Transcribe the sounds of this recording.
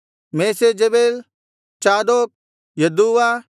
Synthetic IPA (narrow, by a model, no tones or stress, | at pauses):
meːsed͡ʒɐbeːl | t͡ʃaːd̪oːp̚ | jɐd̪uːʋaː